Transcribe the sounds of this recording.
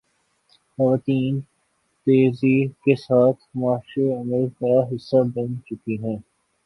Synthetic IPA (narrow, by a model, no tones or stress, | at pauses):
xɐʋaːt̪iːn | t̪eːzikesaːt̪ʰmaːʃeɐməlkaɦɪsːabɐ̃nt͡ʃʊkiɦɛ̃ː